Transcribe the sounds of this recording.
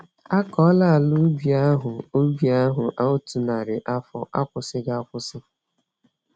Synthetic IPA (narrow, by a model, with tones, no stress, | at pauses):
a˦kɔ˨˦la˦˨lʊ˦bi˨a˦ɦʊ˨o˦bi˨a˦ɦʊ˨ʔa˦ʊ˦tu˨na˨ɾɪ˨ʔa˦fɔ˦ʔa˦kʷʊ˨sɪ˦ɡa˦a˦kʷʊ˦sɪ˦